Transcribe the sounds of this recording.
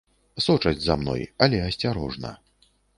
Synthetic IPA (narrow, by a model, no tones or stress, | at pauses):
sɔt͡ʂɐd͡zʲzamnɔ̰jɐlʲɛɐsʲt͡sʲaɾɔʐnɐ̰